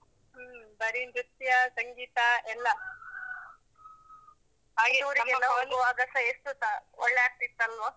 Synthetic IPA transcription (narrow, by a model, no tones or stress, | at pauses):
bɐɾimɾut̪jɐsɐŋɡiːt̪ɐɛlːɐ | aɡiuʋɾiɡɛlːɐond̪uaːɡɐsɐeʂʈut̪aɔɭːɛaːɾ̚t̪it̪ːɐlʋɐ